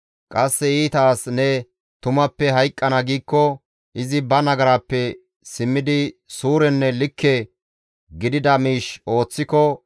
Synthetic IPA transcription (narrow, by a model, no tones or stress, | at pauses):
kʼɐsːɛiːt̪aːsnɛ | t̪ʊmɐpːɛɦɐjkʼːɐnaɡiːkːɔ | ʔɪzɪbɐnɐɡɐɾaːpːɛ | sɪmːɪd̪ɪsuːɾɛnːɛlɪkʰːɛ | ɡɪd̪ɪd̪ɐmiːʃo̞ːt͡sːɪkɔ